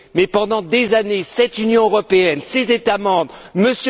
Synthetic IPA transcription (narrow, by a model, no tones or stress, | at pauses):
mɛpɑ̃d̪ɑ̃d̪ezanesɛt̪ynjɔ̃øʁɔpeɛnsɛt̪et̪amɑ̃bʁməs